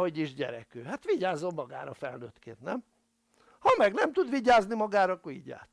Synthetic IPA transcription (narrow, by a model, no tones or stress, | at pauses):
oɟiʒɟɛ̰ɾɛ̰køːhat̪ʋiɟaːzo̞mːɒɡa̰ːɾɒfɛlnøːt̪kḛːnt̪nɛm | hɒmɛɡnɛmt̪ud̪ʋiɟaːznimɒɡaːɾɒkuɟa̰ːt̪